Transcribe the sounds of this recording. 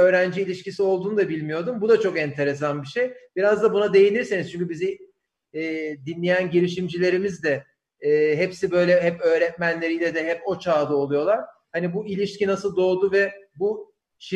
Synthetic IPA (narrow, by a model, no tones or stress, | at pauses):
ø̞ːɾænd͡ʒiːlʲiʃcisio̞lˠd̪uːnud̪abilʲmijo̞ɾd̪umbud̪at͡ʃʰo̞kɛnt̪ʰe̞ɾe̞s̬anbiʃejb̥iɾazd̪abunad̪e̞jinʲiɾseniz̥t͡ʃʰyɲcybiziː | d̪inlʲejænɟiɾiʃimd͡ʒilʲe̞ɾimizd̪ɛː | ɦɛpsibø̞jlʲɛɦɛpø̞ːɾɛt̪̚mænlʲe̞ɾijlʲɛd̪ɛɦɛpo̞t͡ʃʰaːd̪ao̞lˠujo̞lˠaɾ̥ | hanibuilʲiʃcinasɯlˠd̪o̞ːd̪uvɛbu | ʃi